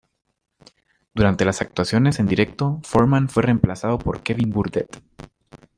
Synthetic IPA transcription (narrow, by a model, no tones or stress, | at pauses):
d̪̥uɾant̪e̞lasak̚t̪wasjo̞ne̞se̞nd̪iɾe̞k̚t̪o̞fo̞ɾmãnfwe̞re̞mplasaðo̞po̞ɾke̞βimbuɾd̪et̪